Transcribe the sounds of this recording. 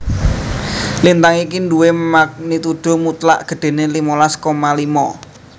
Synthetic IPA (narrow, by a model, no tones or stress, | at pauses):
lint̪aŋikinduwemak̚nit̪uɖ̪̥o̤mut̪la̰ʔɡ̥ə̤ɖ̥e̤nelimolaskomalimɔ̰